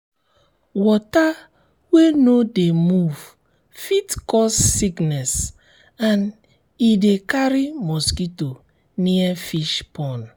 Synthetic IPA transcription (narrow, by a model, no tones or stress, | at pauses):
wɔta | wenodemuv | fitkɔsːiknɛs | ãn | idekaɾimɔskito | niɛfiʃpɔ̃n